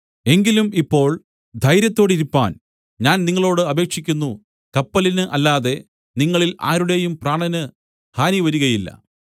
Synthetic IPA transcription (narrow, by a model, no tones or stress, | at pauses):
e̞ŋɡilumipːo̞ːɭ | d̪ʱɐjɾjɐt̪ːo̞ːɽiɾupːa̰ːn | ɲaːnniŋːɐɭo̞ːɽɨɐbe̞ːkʂikʲːunːu | kɐpːɐlinɨʔɐlːaːðe̞ | niŋːɐɭila̰ːɾuɽe̞jumpraːɳɐnɨ | haːniʋɐɾuɣɐjilːɐ̰